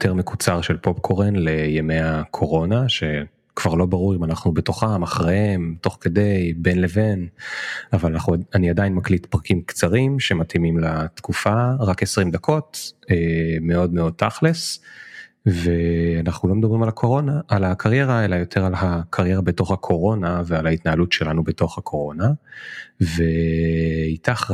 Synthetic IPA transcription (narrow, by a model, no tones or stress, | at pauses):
jotʰeʁme̞kut͡saʁʃelpo̞pkʰo̞ʁenlejemejakʰo̞ʁo̞naʃe̞ | kv̥aʁlo̞baʁuʁimanaχnube̞to̞χamaχʁehemto̞χke̞dejbenleve̞n | avalanaχnuaniadainmaklitpʁakimkt͡saʁimʃe̞matimimlatkufaʁake̞sʁimd̪akʰo̞temeo̞dmeo̞d̚t̪ʰːaχles | veanaχnulo̞med̪abʁimalakʰo̞ʁo̞naʔːlakʰaʁje̞ʁaelajo̞tʰe̞ʁalɦakʰaʁjeʁabeto̞χhakʰo̞ʁo̞navealaitnaɦalutʃe̞lanubeto̞χhakʰo̞ʁo̞na | ve | itaχ